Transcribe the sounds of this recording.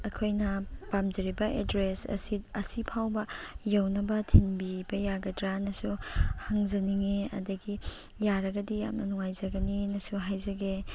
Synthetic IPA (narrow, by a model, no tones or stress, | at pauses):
ɐkʰojnɐpamzɐɾibɐʔedɾesɐ̰siɐsipʰawbɐjɐwnɐbɐtʰinbibɐjaɡɐdɾanɐsuhɐŋzɐniŋeɐ̰dɐɡi | jaɾɐɡɐdia̰mɐnuŋajzɐɡɐninɐsuɦajzɐɡe